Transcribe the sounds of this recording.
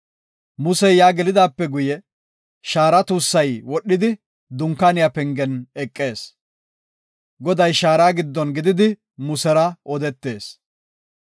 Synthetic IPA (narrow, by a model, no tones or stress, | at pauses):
mʊsɛjaːɡɛlɪd̪aːpːɛɡʊjɛ | ʃaːɾɐt̪uːsːɐjwɔɗːɪd̪ɪ | d̪ʊŋkːanɪjapɛŋɡɛnɛkʼːe̞ːs | ɡɔd̪ɐjʃaːɾaːɡɪd̪ːɔnɡɪd̪ɪd̪ɪ | mʊsɛɾɐɔd̪ɛt̪ːe̞ːs